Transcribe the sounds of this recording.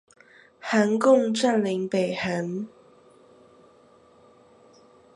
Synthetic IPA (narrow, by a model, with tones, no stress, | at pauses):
ha˧˥nkʊ˥˨ŋʈ͡ʂa˥˨nli˧˥ŋpe˨˩hə˨˦n